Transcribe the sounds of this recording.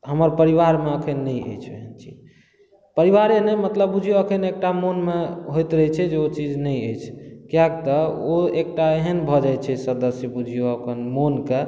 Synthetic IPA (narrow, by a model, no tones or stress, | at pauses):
ɦəməɾpəɾiʋaɾmeəkʰənːəjə̰jt͡ʃʰḛɦənt͡ʃʰḭ | pəɾiʋaɾenemət̪ləbːud͡ʒʱijoəkʰənek̚ʈamonmeɦojt̪ɾəɦɛt͡ʃʰɛd͡ʒeot͡ʃid͡ʒnɛjəjt͡ʃʰkijak̚t̪ɔoek̚ʈaeɦənbʱɔd͡ʒajt͡ʃʰɛsəd̪əsjəbud͡ʒʱijoəkʰənmonke